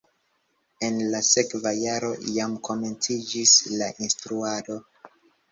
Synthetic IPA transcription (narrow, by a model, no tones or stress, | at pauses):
e̞nlase̞kvajaɾo̞̰jamkʰo̞me̞nt͡sid͡ʒislaʔinstɾuado̞